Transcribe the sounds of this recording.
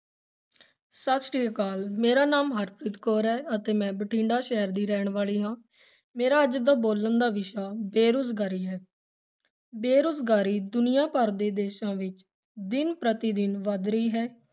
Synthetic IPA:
sət̪sʈiːkaːlmeːɾaːnaːmɦəɾpɾɪt̪koːɾɦɛːət̪eːmɛ̃ːbəʈʰĩːɳɖaːʃɛːəɾd̪iːɾɛːɳʋaːliːɦãː | meːɾaːəd͡ʒd̪aːboːlənd̪aːʋɪʃaːbeːɾʊsɡaːɾiːɦɛː | beːɾʊsɡaːɾiːd̪ʊnɪjaːpəɾd̪eːd̪eːʃãːʋɪt͡ʃ | d̪ɪnpɾət̪iːd̪ɪnʋad̪ɾəiːɦɛː

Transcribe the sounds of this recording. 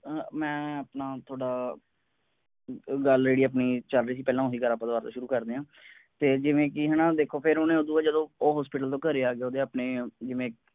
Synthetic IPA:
mɛ̃ːəpnaːt̪ʰoːɽaː | ɡəlɾeːɽiːəpniːt͡ʃəlɾiːs̬iːpɛːlãːosiːɡəɾaːpːãːd̪baːɾt̪õ̰ːʃʊɾuːkəɾd̪eːãː | t̪eːd͡ʒɪʋẽːkɪɦɛːnãːd̪eːkʰːoːpʰɪɾonẽːoːd̪uːaːd͡ʒəd̪õːoːɦɔːspɪːʈəlt̪õːkəɾeːaːɡeoːd̪eːəpneːd͡ʒɪʋẽː

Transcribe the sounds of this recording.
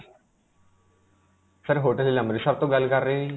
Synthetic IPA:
səɾɦoːʈəliləmɾiːsəb̚t̪õːɡəlkəɾːeːʋiː

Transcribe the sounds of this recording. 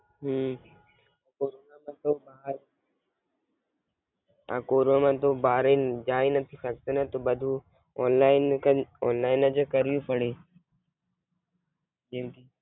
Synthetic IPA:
ɦuː | koːɾoːnamãt̪obaːɾ | a̰koːɾonamãt̪obaːɾed͡ʑaːinɐt̪ʰisɐɡt̪enət̪obɐd̪ʱu | ɔːnlaːɪnɔːnlaːɪnəd͡ʑəkɐɾijũpɐɽeː | d͡ʒẽki

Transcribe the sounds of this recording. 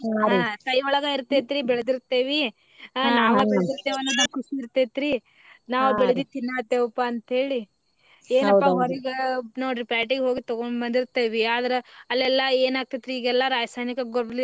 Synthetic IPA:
kɐjɔɭɐɡɐiɾt̪ːet̪iɾibɛɭɐd̪iɾt̪ːeːʋi | naːʋɐbɛɭd̪iɾt̪eːʋɐnːubɐkusiːɾt̪et̪ɾi | naːʋubɛɭɐd̪it̪inːaːt̪ːeːʋɐpːaɐnt̪ɦe̞ːɭi | eːnɐdpːaɦɐɾiɡenaːuɾipaːɾʈiɡeɦoːɡit̪ɔɡoɳbɐnd̪iɾt̪eːʋiaːd̪ɐɾeɐlːɛlːɐeːnaːɡ̚t̪ed̪ɾiiːɡɛlːɐɾaːd͡ʒɐsaːjnikɐɡɔɾbli

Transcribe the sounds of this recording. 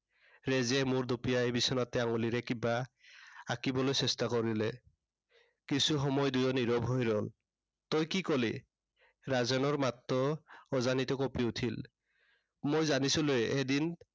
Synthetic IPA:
ɹɛzɛmoɹdupijaebisɔnatɛaŋuliɹɛkiba | akibɔlojsɛstakɔɹilɛ | kisuxɔmɔjdujɔniɹɔbɦojɹɔl | t̪ojkikoli | ɹazɔnɔɹmat̪ːɔːzanitɔkɔpiutʰil | mojzanisulojɛʔedin

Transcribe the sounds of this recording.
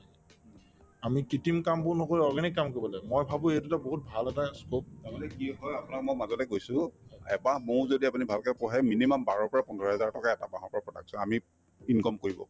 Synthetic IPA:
amikitimkambʊnɔkoɹiɔɹɡanikːamkoibɔlɛmojbʱabʊ̃ejtutaboɦut̚bʱalɛtaskotamalɛkiɦɔjapunakmojmazɔlɛkojsʊ̃ɛbamowzodiapunibʱalkɛpɔɦɛminimambaɹɔɹpɔɹapɔndɔɹɔɦɛzaɹtɔkaɛtabaɦɔɹpɔɹapɹɔtaɡsɔ̃ami | inkɔmkoɹibɔ̰

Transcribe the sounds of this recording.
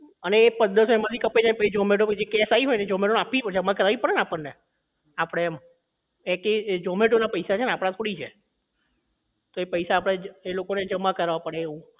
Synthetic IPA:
əneːpənd̪əsoeməd̪ikəpːed͡ʒaipəid͡ʒɔmeʈoed͡ʒekɛsaiɦojned͡ʒɔmeʈonapipəd͡ʒəmːakəɾaʋipəɽneapəɽne | apɽ̃eɛm | eked͡ʒɔmeʈonapəjsat͡ʃʰeneapɽ̃at̪ʰoɽit͡ʃʰe | t̪oepəjsaːpɽ̃aelokoned͡ʒəmːakəɾʋapəɽeːũ

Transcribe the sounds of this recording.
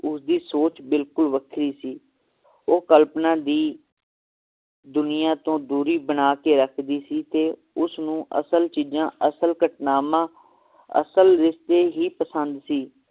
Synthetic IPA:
ʊsd̪iːsoːt͡ʃbɪlkʊlʋəkʰɾiːsiː | oːkəlpnãːd̪iː | d̪ʊnɪjãːt̪õːd̪uːɾiːbənaːkeːɾəkʰd̪iːsiːt̪eː | ʊsnũːʔə̰səlt͡ʃiːd͡ʒãːʔəsəlkəʈnaːmãː | ə̰səlɾɪst̪eːɦiːpəsənd̪siː

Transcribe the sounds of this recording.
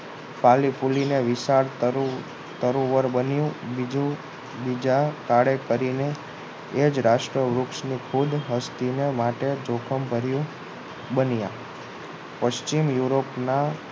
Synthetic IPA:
pʰalipʰulineʋɪsaɾtɾ | t̪əɾũʋəɾbənjũbid͡ʒũ | bid͡ʒakaɽekəɾine | ed͡ʒɾaʃʈɾəʋɾukʃnikʰud̪ʱɦəst̪inemaʈed͡ʒokʰəmbʱəɾjũ | bənja | pəʃt͡ʃimjuɾopna

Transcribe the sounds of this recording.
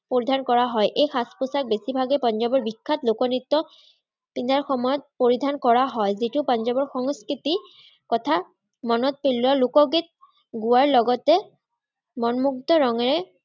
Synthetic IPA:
poɹidʱankɔɹaɦɔjʔejxaspusak̚besibʱaɡɛpɔnzɔbɔɹbikʰːatlʊkɔnit̪ːɔ | pind̪aɹxɔmɔjɔt̚poɹidʱankɔɹaɦɔjzitʊpɔnzɔbɔɹxɔŋskɹiti | kɔtʰa | mɔnɔt̚pelualukɔɡet̚ | ɡuwaɹlɔɡɔtɛ | mɔnmuktɔɹɔŋɛɹɛ

